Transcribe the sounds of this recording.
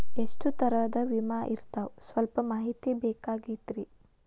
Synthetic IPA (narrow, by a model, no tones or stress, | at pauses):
esʈut̪ɐɾɐd̪ɐʋimaːʔiɾt̪awsʋɐlpɐmaːɦit̪ibɛːkaːɡid̪ɾi